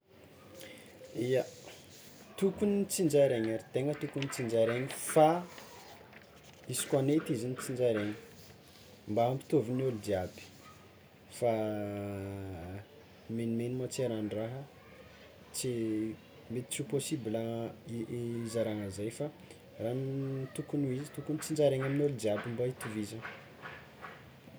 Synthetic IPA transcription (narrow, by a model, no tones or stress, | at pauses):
ija | t̪ukunit͡sind͡ʒaɾeɲaɾit̪eŋət̪ukunit͡sind͡ʒaɾeɲifa | isi̥kʲwanet̪izinit͡sind͡ʒaɾeɲi̥ | mbaampi̥t̪ovinolud̪iabi̥ | fa | menimenimat͡siaɾaɳraɦə | t͡si | met̪i̥t͡suposibiləiizaɾaŋəzajfa | rant̪ukunuizit̪ukunit͡sind͡ʒaɾeɲaminolud̪iabimbait̪uviza